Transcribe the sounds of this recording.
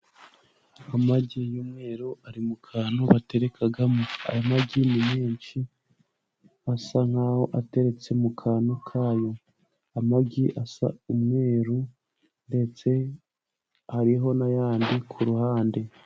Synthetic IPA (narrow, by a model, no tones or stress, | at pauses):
amaɟijuːmŋe̞ːɾuʔaɾimukʰaːnuβate̞ɾe̞kʰaɡamua̰jamabɟinimeːnt͡ʃi | asaŋ̥haːho̞ʔate̞ɾe̞t͡se̞mukʰaːnukʰaːjo̞ | amaɡiʔasa̰umŋe̞ːɾu | nde̞t͡se̞ | haɾiɦo̞najaːndikʰuɾuhaːnde̞